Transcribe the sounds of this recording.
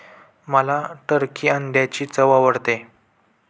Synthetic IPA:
məlaʈəɾkʰiːənd̪jat͡ɕiːt͡səʋaʋəɽt̪e

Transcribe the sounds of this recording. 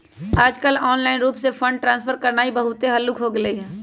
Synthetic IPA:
aːd͡ʒkəlɔːnlaːɪnɾuːpsefʰə̃ɳɖ̚ʈɾãːnsfʰəɾkəɾnaːibəɦʊt̪eɦɐlːʊkɦoɡɪleɦɛː

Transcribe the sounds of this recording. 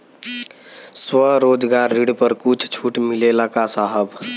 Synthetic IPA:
swəɾod͡ʒɡaɾːiɽpəɾkut͡ʃʰt͡ʃʰuʈmilelakasaɦəb

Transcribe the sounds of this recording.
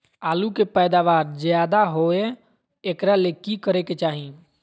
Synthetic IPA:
aːlukepəjd̪aʋaːɾd͡ʒjaːd̪aɦoeː | kɾalekikəɾeket͡ʃaːɦi

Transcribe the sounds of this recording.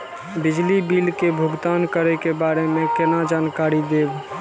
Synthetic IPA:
bɪd͡ʒlibilkebʱuɡd̪ankəɾɛkebaːɾemẽkenad͡ʒaːnkaɾid̪eːb

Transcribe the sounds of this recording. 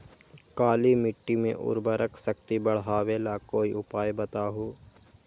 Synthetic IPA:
kaːlimɪʈːimḛ̃ʔʊ̰ɾbəɾəkʰsɐk̚t̪ibɐɽ̤ɦaːʋeːlakoːiʊpaːjbɐt̪aːɦoː

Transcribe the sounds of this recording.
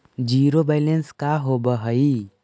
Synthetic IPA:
d͡ʒiːɾobaɪlenskaɦobəɦəi

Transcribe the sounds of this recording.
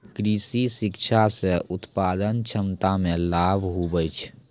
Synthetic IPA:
kɾiːsisɪkʃʰaseʔʊt̪paːd̪ənt͡ʃʰəmt̪amẽlaːbʱɦubəjt͡ʃʰ

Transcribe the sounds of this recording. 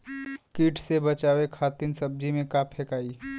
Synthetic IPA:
kiːʈʰsebɐt͡ʃaːʋekʰaːt̪ɪnsɐb̚d͡ʒimẽkaːpʰeːkaːi

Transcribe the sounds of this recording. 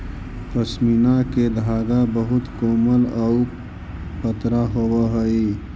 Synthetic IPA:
pɐsminaked̪aːɡ̪abɐɦut̪koːməlau | pɐt̪ɾaɦowaɦɐiː

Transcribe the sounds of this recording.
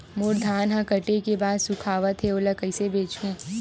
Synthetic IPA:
moːɾd̪ʱaːnɦãkɐʈekebaːd̪sʊkʰaːʋət̪ʰeoːlɐkəɪsebeːt͡ʃũː

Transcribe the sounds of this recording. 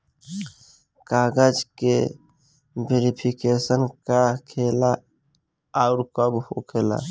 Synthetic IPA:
kaɡəd͡ʒke | beɾipʰikesənkakʰelaː | ʊɾkəbhokʰela̰

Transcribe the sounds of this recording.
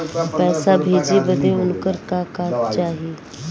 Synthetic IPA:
pɛːsaːbʱeːd͡ʒiːbəd̪eːʊnkəɾkaːkaːt̪t͡ʃaːɦieː

